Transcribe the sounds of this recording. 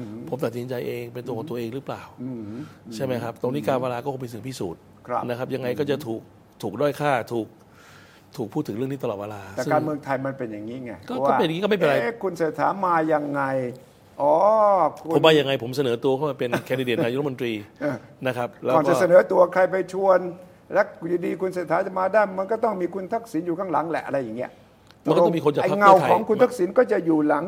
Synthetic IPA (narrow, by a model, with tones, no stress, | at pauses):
pʰo˩˦mt̪a˨˩t̪̚si˨˦nt͡ɕa˧jʔeː˧ŋpe˧nt̪u˧kʰɔː˩˦t̪ɐʔeː˧ŋɾɯ˦˥plaː˨˩w | t͡ɕʰa˥˩jma˦˥jkʰɾa˦˥p̚t̪o˧ŋniː˦˥kaː˧nweː˧laː˧kɔ˥˩o˧˥mpi˧sɯ˨˩˦pʰiː˦˥˩suː˨˩t̪̚ | kʰna˦˥kʰa˦˥p̚ja˧ŋːa˧jkɔː˥˩t͡ɕa˨˩t̪ʰuː˨˩k̚ | t̪ʰuː˨˩k̚dɔː˥˩jkʰaː˥˩t̪ʰuː˨˩k̚ | t̪ʰuː˨˩k̚pʰuː˥˩t̪ʰːɯ˩˦ɾɯ˥˩ŋniː˥˩t̪a˧ɔː˨˩t̪̚eː˧laː˧sɛ˨skaː˧ŋnmɯ˧əŋt̪ʰa˧jma˧npe˧nja˨˩ŋːiː˦˥ŋa˧˩kɔː˥˩a˥˩pːnjiː˦kɔ˥˩m˥˩pe˧ɾa˧jkʰu˧nse˨˩t̪ʰːaː˩˦nmaː˧ja˧ŋːa˧j | ʔɔː˨˦kʰu˧o˩˦waː˥˩ja˧ŋa˧jpʰo˩˦msa˧nɤː˩˦t̪u˧əkʰa˥˩maː˧pe˧nkʰɛ˧di˧deː˨˩aː˧jo˥˦˥mo˧t̪ɾiː˧ʔəː˧˩na˦˥kʰa˦˥p̚lɛː˦kɔː˨˩nt͡ɕa˨˧˨sa˧nɤː˨˩˦t̪u˧ɐkʰɾa˧jp̬a˧jt͡ɕʰu˧ən | lɛ˦˥juː˨˧˩diː˧kʰu˧nseː˨˩t̪ʰːaː˩˦˥t͡ɕa˨˩maː˧daː˥˩jma˧nkɔː˥˩t̪ɔ˥˩ŋmiː˧kʰu˧nt̪ʰa˦˥˩k̚si˩˦njuː˨˩kʰaː˧˥˩ŋla˨˩˦ŋlɛ̰˨˩ʔa˧ɾa˧jːa˨˩ŋːni˦˥ɐ˨ʔ | m˧kːɔ˥˧˩mi˧ko˧nt͡ɕa˨˩a˧˩˦ŋa˧˩wkʰɔː˨˩˦ŋkku˧nt̪ʰa˦˥˩k̚si˩˦nkɔː˥˩t͡ɕa˨˩ʔjuː˨˩la˩˦ŋ